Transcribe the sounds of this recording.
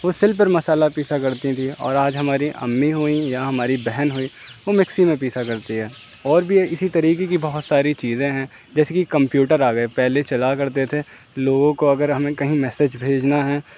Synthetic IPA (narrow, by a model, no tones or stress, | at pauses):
ʋosɪlp̬əɾmɐsaːlapiːsakɐɾt̪it̪ʰiɔ̰ːɾaːd͡ʒɦɐmaːɾiʔɐ̰mːiɦoːijaɦɐmaːɾibɛɦɛnɦoːiːʋomɪksimẽpiːsakɐɾt̪iɦɛː | ɔːɾbʱiɪsit̪ɐɾiːk̬ekibɐɦʊt̪saːɾit͡ʃiːzẽɦɛ̃ | d͡ʒɛːsekikɐ̃mpjuːʈəɾaːɡɐepɛɦlet͡ʃɐlakɐɾt̪et̪ʰe | loːɡõkoɐɡəɾɦɐmẽkɐɦĩmɛːsed͡ʒbʱeːd͡ʒnaɦɛː